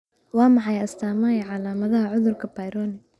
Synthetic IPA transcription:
wɑːmɑħɑjɐst̪ʰaːmɐjʕɑlaːmɐðɐɦɐʕʊðʊrkʰɐbɐjɾɔːnɪ

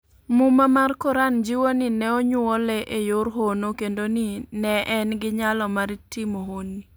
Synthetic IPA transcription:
mumamarkɔɾand͡ʒiwonɪnɛoɲʊɔlɛʔejoɾɦonokendonɪnɛʔɛnɡɪɲalɔmaɾitɪmoɦoni

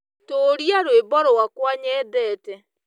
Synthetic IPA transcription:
toːɾiaɾwebɔɾɔwakwaɲɛːðɛtɛ

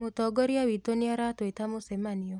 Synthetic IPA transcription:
mʊtɔɡɔɾjawitoniaɾatoetamosɛmaniɔ

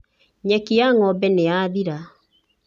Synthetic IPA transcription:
ɲɛkiaŋɔbɛneaːðiɾa

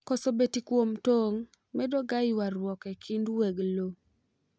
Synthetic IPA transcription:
kɔsobetikwomtoŋ | mɛdoɡaɪwaɾwɔkɛkʰindweɡlo

